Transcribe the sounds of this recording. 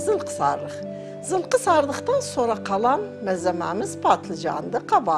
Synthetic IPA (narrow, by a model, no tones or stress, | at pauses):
zɨlˠqʰə̥sɑ̰ɾlˠəχ | zɨlˠqəsɑɾlˠəχt̪ɑnsoɾɑqʰɑlˠɑnmæzæmæ̰mɪzpʰɑt̪lˠɨd͡ʒɑ̰nd̪ɨqʰɑbɑ